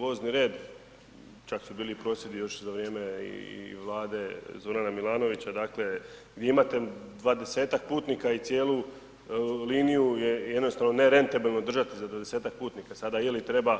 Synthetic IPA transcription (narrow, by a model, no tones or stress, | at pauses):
ʋo̞ːzniɾe̞ːd̪ | t͡ʃaksubiːlipɾo̞sjed̪ijo̞ʃzaʋɾje̞ːmeḭʋlˠaːd̪e̞zo̞ɾanamilˠaːno̞ʋit͡ɕad̪aːkle̞ɡd̪ʲje̞imat̪e̞d̪ʋad̪e̞se̞ːt̪ak̚puːt̪nikait̪sje̞ːlu | liːnijujejed̪no̞st̪aʋnone̞ɾe̞nt̪abilˠnod̪r̩ʒat̪izad̪ʋad̪e̞se̞ːt̪ak̚puːt̪nikasad̪ajelit̪ɾe̞ba